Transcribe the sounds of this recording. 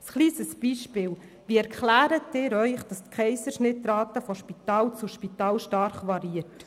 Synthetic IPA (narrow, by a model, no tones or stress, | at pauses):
sχliːsəsb̥iːʃpɪːl | ʋiɛɾkχlæːɾətɪːɾœʏχd̥ɑst̪kʰɛɪsəɾʃnɪt̪ːɾɑːt̪əfɔʃpit̪ɑːlt͡suʃpit̪ɑːlʃtɑɾχʋɑɾiət